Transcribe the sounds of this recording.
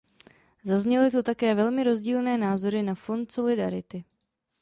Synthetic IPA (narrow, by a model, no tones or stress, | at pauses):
zazɲɛlɪt̪ot̪akɛːvɛlmɪɾo̞zɟiːlnɛːnaːzo̞ɾɪnafo̞nt̪so̞lɪdaɾɪt̪ɪ